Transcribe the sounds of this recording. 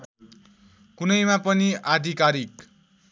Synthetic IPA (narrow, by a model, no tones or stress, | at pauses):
kunʌjmapʌniad̪ʱikaɾik